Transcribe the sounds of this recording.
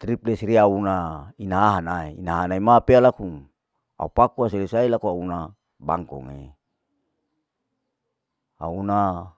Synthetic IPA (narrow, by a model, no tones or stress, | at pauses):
t̪ɾiplesɾiaunainaaɦanaeḭnaɦanaimapealakuŋ | a̰upakuas̬elisailakuauna | ba̰ŋkɔ̰ŋḛ | a̰una